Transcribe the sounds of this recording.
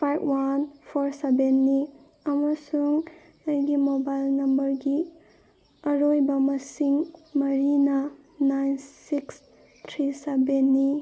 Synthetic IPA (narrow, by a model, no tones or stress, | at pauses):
pʰajbwanpʰoɾsebenːi | ɐmɐsuŋ | ɐjɡimobajlnɐmbɐɾɡi | ɐɾojbɐmɐsiŋmɐɾinɐ | najnsiks | tʰɾisebenːi